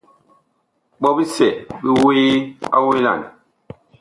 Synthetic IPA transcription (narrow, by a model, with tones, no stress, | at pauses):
ɓɔ˦bi˦sɛ˨ʔbi˦weː˦a̰˦wi˦la̰˨n˨